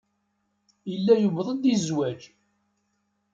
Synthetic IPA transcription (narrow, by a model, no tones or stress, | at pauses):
əlːæjuvðˤəd̪izwæd͡ʒ